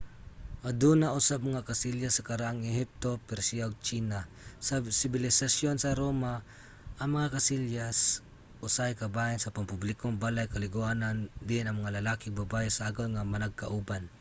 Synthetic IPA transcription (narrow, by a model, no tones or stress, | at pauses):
ʔad̪uːnaʔʊsab̚mɐŋakasɪljasːɐkɐɾaʔaŋɛɦɪp̚t̪o̞pɛɾsiaoɡ̚t͡ʃiːna | sasɪbɪlɪsasjonsɐɾoːma | ʔɐŋmɐŋakasɪljas | ʔʊsajkabajɪnsɐpampublɪkoŋbalajkɐlɪɡʊaːnand̪ɪnɐŋmɐŋalɐlaːkɪŋbabaʔɪsaaɡalŋamɐnaɡ̚kaʔuban